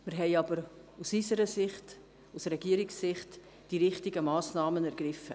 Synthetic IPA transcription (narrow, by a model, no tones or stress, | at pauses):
mɪɾɦɛɪɑbəɾ | usysəɾəsɪχt | usɾɛɡiəɾiksːɪχt | d̥iɾɪχtiɡəmɑːsnɑːmənæɾɡ̥ɾɪfə